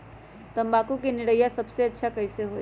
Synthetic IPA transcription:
t̪əmbakukeniɽəjasəbseətːʃʰakəɪseɦo

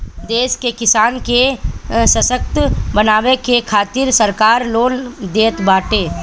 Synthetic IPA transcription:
d̪eːʃkekɪsaːnkesəsək̚t̪bənaːwekekʰaːt̪ɪɾsəɾkaːɾloːnd̪eːt̪baːʈeː

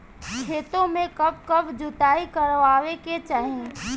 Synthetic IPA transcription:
d͡ʒʱeːt̪õmẽkɐb̚kɐbd͡ʒʊt̪aːikəɾʋaːʋeket͡ʃaːɦĩ

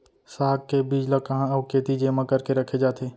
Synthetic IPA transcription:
saːɡːebiːd͡ʒləkɐɦãɐʊkeːt̪id͡ʒeːmãkɐɾkeɾɐkʰed͡ʒaːt̪ʰeː

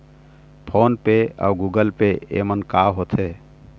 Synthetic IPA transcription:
pʰoːnpea̰ʊɡuːɡəlpeḛmənkaɦot̪ʰe

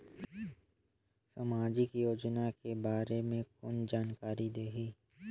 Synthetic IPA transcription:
samaːd͡ʒɪkjoːd͡ʒnakebaːɾemẽkʊnd͡ʒaːnkaːɾid̪eːɦiː

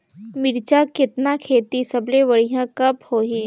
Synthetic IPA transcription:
mɪɾt͡ʃakɪt̪nakʰeːt̪isɐblebɐɽ̤ijãkɐphoːɦiː

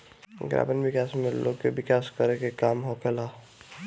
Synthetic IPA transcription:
ɡɾa̰ːbənʋɪkaːsmelo̰ɡkeʋɪkaːskəɾekekaːmɦokʰelaː

